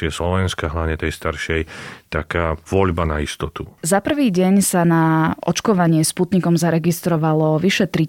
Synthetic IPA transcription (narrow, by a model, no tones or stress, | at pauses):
ɪɛslɔʋɛnskaɦlaʋɲɛt̪ɛjst̪aɾʃɛjt̪akaːʋɔʎbanaist̪ɔt̪uzapr̩ʋiːɟɛɲsanaʔɔ̰t͡ʃkɔʋaɲɪɛsput̪ɲikɔmzaɾɛɡist̪ɾɔʋalɔʋiʃɛt̪ɾi